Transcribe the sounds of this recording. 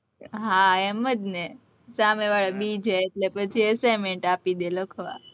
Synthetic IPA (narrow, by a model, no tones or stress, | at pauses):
ɦaɛməd̪ne | sameʋaɭabid͡ʒʱeːʈlepət͡ʃʰiesajmeɳʈapid̪eləkʰʋa̰